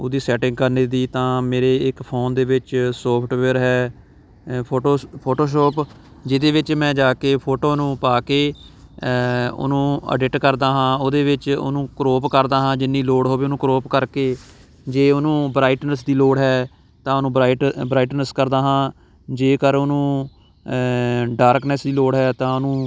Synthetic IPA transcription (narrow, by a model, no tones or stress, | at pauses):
oːd̪iːsɛːʈɪ̃ŋɡ̚kəɾneːd̪iːt̪ãːmeːɾeːɪkpʰoːnd̪eːʋɪt͡ʃsoːpʰʈʋeːɾɦɛː | pʰoːʈoːpʰoːʈoːʃ̬oːp | d͡ʒɪd̪eːʋɪt͡ʃmɛ̃ːd͡ʒaːkeːpʰoːʈoːnũːpaːkeː | ʊ̰nũːə̰ɖɪʈkəɾd̪aːɦãːoːd̪eːʋɪt͡ʃʊ̰nũːkɾoːpkəɾd̪aːɦãːd͡ʒɪnːiːloːɽɦoːʋeːʊnũːkɾoːpkəɾkeː | d͡ʒeːʊnũːbɾaːɪʈnəsd̪iːloːɽɦɛː | t̪ãːʊnũːbɾaːɪʈbɾaːɪʈnəskəɾd̪aːɦãː | d͡ʒeːkəɾonũː | ɖaːɾknɛsd̪iːloːɽɦɛːt̪ãːʊnũː